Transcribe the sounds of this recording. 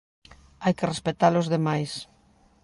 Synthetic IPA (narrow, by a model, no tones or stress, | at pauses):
ajkerespet̪alozðemajs